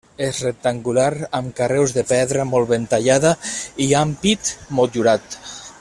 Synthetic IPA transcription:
ezrek̚t̪aŋɡulaɾamkarewzðepɛðɾamolˠβent̪aʎaðaiampit̪molʒuɾat̪

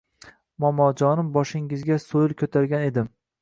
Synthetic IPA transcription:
mɒmɒd͡ʒɒnɪmbɒʃɪŋɪzɡʲasojɪlˠkʰʲɵt̪ʰaɾɡʲane̞d̪ɪm

